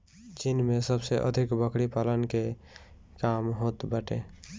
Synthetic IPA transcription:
t͡ʃinmesəbseʔə̰d̪ʱikbəkʰɽipalənke | kamɦot̪bəʈe

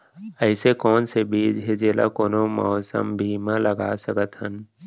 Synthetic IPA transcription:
əɪsekɔːnsebiːd͡ʒɦed͡ʒeːla̰koːnomɔ̰ːsə̰mbʱiːmãləɡa̰səkət̪ɦən

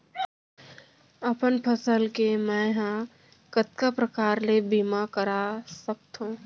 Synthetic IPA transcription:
əpənpʰəsəlkemɛ̃ɦã | kət̪̚kapɾəkaːɾlebiːmakəɾasək̚t̪ɦũː

